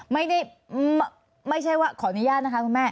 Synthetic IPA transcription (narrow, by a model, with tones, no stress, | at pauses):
ma˥˩jda˥˩j | ma˥˩jt͡ɕʰa˥˩jwaː˥˩kʰɔː˩˦nu˧˦jaː˥˩t̪̚na˦˥kʰkuː˧nmɛː˥˩